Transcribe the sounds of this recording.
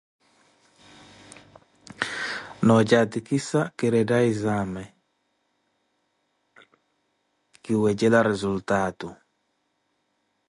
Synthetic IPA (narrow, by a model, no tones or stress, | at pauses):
nɔd͡ʒatikisakiɾɛdaizamɛ | kiwɛd͡ʒelaɾɛzultatu